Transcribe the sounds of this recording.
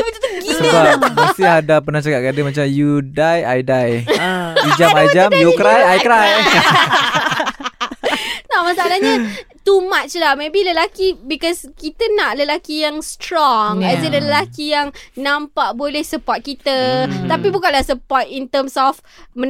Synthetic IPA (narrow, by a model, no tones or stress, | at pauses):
bət̪ut̪əɡisəbaasiadapənãht͡ʃakaʔkadəmat͡ʃamjudaja̰jdaj | id͡ʒamajd͡ʒamjukɾajajkɾaj | namasaalaɲat̪umãt̪̚t͡ʃəlamebiləlakibikɔskit̪ənaʔləlakijaŋst̪ɾɔŋɛsələləlakijaŋnãmpaʔbolɛhsəpɔt̪̚kit̪ət̪apibukanlahsəpɔt̪̚int̪əmsɔf | mə